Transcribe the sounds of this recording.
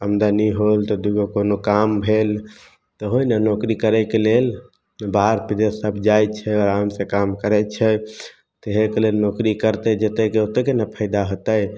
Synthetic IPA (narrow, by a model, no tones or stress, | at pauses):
əmd̪aniɦolt̪ɔd̪uɡokonokambʱel | t̪ɔɦojnənokɾikəɾəkelel | baɾpid̪esəbʱd͡ʒajt͡ʃʰɛɔɾamsẽkamkəɾɛt͡ʃʰɛ | t̪eɦekelelnokɾikəɾt̪ɛd͡ʒet̪ɛkeot̪ɛkenapʰəɪd̪aɦot̪əj